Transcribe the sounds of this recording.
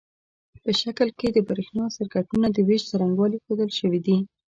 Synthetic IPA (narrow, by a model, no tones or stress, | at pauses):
pəʃakəlked̪əbaɾexnɑsɪɾkaʈunad̪əweʃt͡saɾaŋɡwɑlixod̪əlʃəwid̪i